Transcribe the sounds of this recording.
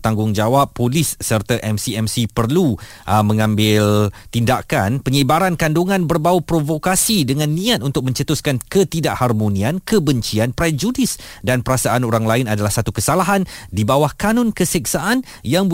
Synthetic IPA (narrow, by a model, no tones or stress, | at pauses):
t̪aŋɡʊŋd͡ʒawapːolɪssərt̪aʔɛmsiɛmsipərlu | ʔmə̃ŋãmbɪlt̪indakanpəɲibaɾankanduŋãnbərbawupɾovokasidəŋãnːĩat̪̚unt̪ʊk̚mə̃ɲt͡ʃət̪uskankət̪idaʔharmonĩankəbəɲt͡ʃianpɾɛd͡ʒudɪs | danpəɾasaʔanoɾaŋlaɪnadalahsat̪ukəsalaɦandibawahkanɔ̃nkəsik̚saʔan | jaŋ